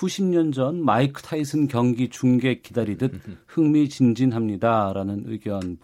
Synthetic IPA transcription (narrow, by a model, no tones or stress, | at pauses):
kuɕʰimɲʌnd͡ʑʌnmaikʰɯ̥tʰaisʰɯnkjʌŋɡit͡ɕuŋɡe̞kidaɾidɯt̚hɯŋmit͡ɕind͡ʑinɦamɲidaɾanɯnɯɡjʌnb